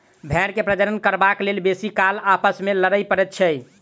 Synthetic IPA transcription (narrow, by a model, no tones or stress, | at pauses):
bʱɛɾkepɾəd͡ʒəɾənkəɾbaklelbesikalapəsmeləɾəjpəɾɛt̪̚t͡ʃʰɛ